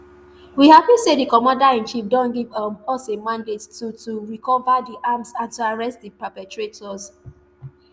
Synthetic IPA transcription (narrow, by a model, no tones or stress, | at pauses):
wihavisedikɔmãndaɛ̃nt͡ʃifdɔ̃nɡivɔsemãndettutuɹikɔvadiʔamsãntuaɹɛstdipapɛtɹetʰɔz